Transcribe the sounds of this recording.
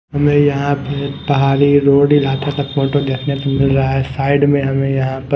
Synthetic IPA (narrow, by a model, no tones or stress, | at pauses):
ɦɐmẽjɐɦãpɪpɐɦaːɾiɾoːɖilaːt̪at̪ɐkmoːʈoɡ̪ɛːkʰnet̪omɪlɾɐaɦɛsaːɪɖmẽɦɐmẽjɐɦãpɐ